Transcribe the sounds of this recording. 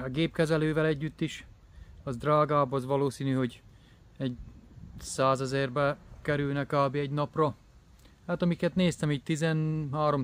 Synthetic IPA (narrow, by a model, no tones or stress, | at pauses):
ɒɡeːpkɛzɛløːvɛlɛɟːyt̪ːiʃ | ɒzd̪raːɡaːbɒzʋɒloːsiːnyɦo̞ɟ | ɛɟ | saːzɛzɛrbɛkɛɾylnɛkaːbiɛɟnɒprɒ | haːt̪ɒmikɛt̪neːst̪ɛmiːtt̪izɛnɦaːɾo̞m